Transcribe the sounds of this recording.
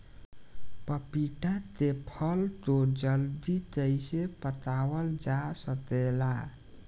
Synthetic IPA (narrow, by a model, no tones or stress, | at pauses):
pəpiʈat̪epʰəlt̪od͡ʒəld̪it̪əjsepət̪awəld͡ʒasət̪ela